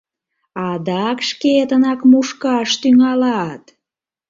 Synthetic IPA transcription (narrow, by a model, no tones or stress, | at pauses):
ɑd̪ɑkʃket̪ənɑkmuʃkɑʃt̪yŋɑlɑt̪